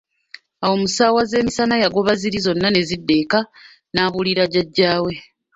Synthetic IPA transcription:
awo̞musaːwaze̞ːmisanajaɡo̞βaziɾizo̞nːane̞zidːe̞ːka | naːβuliɾaɟaɟːaːwe̞

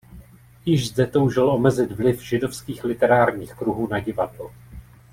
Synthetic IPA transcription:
jɪʒzdɛt̪owʒɪlʔo̞mɛzɪt̪vlɪfʒ̥ɪdo̞fskiːxlɪt̪ɛɾaːɾɲiːxkɾuɦuːnaɟɪvadlo

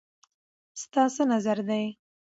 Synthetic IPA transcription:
st̪ɑsənazaɾd̪aj

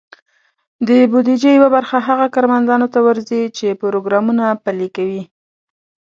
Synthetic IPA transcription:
d̪əbud̪id͡ʒejawabaɾxaɦaɣakɑɾmand̪ɑnot̪awəɾzit͡ʃepʊɾoɡɾɑmunapalikawi

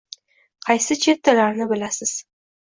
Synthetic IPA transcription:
qʰɑjsɪt͡ʃʰe̞t̪ːalaɾnɪbɪlasɪz̥

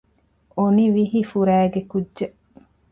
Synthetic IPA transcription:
oniʋiɦifuɾæːɡekudʒe

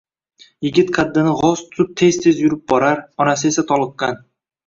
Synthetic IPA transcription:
jɪɡʲɪt̪kʰad̪ːɪnɪʁɒzt̪ʰʊ̥t̪ʊp̚t̪ʰe̞zt̪ʰe̞zjʊɾɪp̚bɒɾaɾɒnas̬ɪe̞sat̪ʰɒlˠɨqːɑn

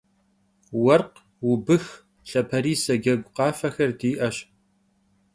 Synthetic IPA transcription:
wɐrq | wʊbɨx | ɬɐpʰɐɾiːsɐɡɐɡʷqɑːfɐxɐrdiːʔɐɕ

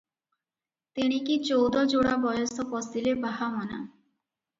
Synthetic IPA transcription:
t̪iɽ̃ikit͡ʃowd̪ɔd͡ʒoɽabɔjɔsɔpɔsilebaɦamɔna̰

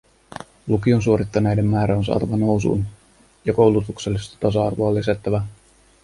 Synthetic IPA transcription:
lukionsuo̞ɾit̪ːɑnejde̞mːæːɾæonsɑ̰ːt̪ɑʋɑno̞wsṵːn | jɑko̞wlut̪ukse̞lːist̪ɑ̥t̪ɑsɑɑ̰rʋoɑːlːis̬æt̪ːæʋæ

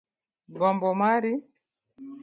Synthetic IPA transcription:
ɡɔmbɔmaɾi

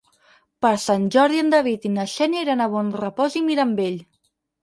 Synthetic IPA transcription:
pəɾsanʲʒɔɾðiənd̪aβit̪inəʃɛneɾanaβɔnrəpɔzimiɾambeʎ

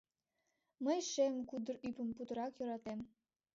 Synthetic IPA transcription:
məjʃemkud̪ərypəmput̪əɾɑkjøɾɑt̪em

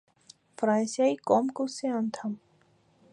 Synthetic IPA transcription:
fɾãːnsjaikomkoseant̪ʰɐm

